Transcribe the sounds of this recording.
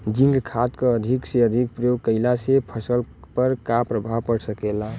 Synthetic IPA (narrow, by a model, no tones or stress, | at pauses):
d͡ʒĩŋɡkʰat̪kəəd̪ʱikseəd̪ʱik̚pɾəjoɡ̚kəɪlasepʰəsəlpəɾkapɾəbʱapəɽsəkela